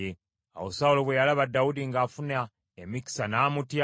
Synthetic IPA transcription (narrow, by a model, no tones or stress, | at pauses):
e | a̰wosaulo̞βwejalaβadːawudiŋɡaːfuna | emiki̥sanaːmutja